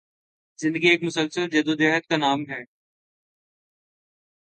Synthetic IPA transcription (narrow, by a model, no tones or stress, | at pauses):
zɪ̃nd̪əɡieːkmʊsəlsəld͡ʒɐd̪od̪eɦət̪̚kanaːmɦɛː